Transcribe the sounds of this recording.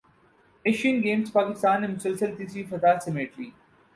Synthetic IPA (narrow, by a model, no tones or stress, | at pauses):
eʃənɡeːmspaːkɪst̪aːnːemʊsəlsəlt̪isifɐt̪aːsemeːʈɾiː